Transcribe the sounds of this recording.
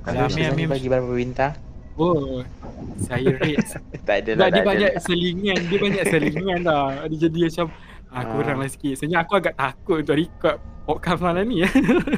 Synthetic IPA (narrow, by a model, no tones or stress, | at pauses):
aamɛ̃amɛ̃mbaɡibaɾapəbint̪a | o | sajɾet̪st̪addadiəbaɲaʔsəliŋãndiəbaɲaʔsəliŋãnt̪adid͡ʒadiat͡ʃam | akuɾaŋlasi̥kiʔsəɲd͡ʒaːkuaɡaʔt̪akʊt̪̚unt̪ʊʔɾikɔt̪̚pɔʔ̚kamsmalani